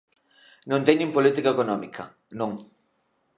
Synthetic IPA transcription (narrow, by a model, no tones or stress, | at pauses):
nõnt̪eɲɪ̃mpolit̪ikaekonɔmikʰɐ̰ | nõŋ